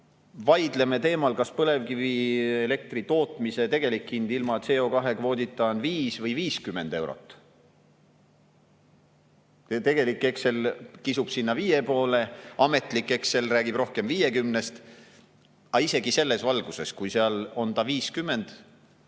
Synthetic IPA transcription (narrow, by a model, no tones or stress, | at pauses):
vɑjd̪̥le̞me̞t̪e̞ːmɑlkɑspɤle̞vkiviele̞k̚t̪rit̪o̞ːt̪ˑmise̞t̪e̞ɡ̥e̞likhind̪ilmɑet̪seːo̞kɑɦe̞kvo̞ːd̪it̪ːˑɑnviːsvɤjviːskymːe̞nd̪e̞wɾo̞̰t̪ːˑ | t̪e̞ɡ̥e̞likːˑe̞kse̞lkisub̥sinːɑviːje̞po̞ːle̞ɑme̞t̪ˑlikːˑe̞kse̞lræːɡib̥ro̞hke̞mvije̞kymnest̪ | ɑise̞ɡ̥ise̞lːe̞svɑlɡ̥use̞skujseɑlo̞nt̪ɑviːskymːe̞nd̪̥